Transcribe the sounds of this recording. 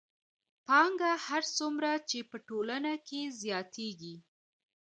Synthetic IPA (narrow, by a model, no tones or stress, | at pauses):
pɑŋɡahaɾt͡sumɾat͡ʃepəʈolanakʰezjɑt̪ʰeɡi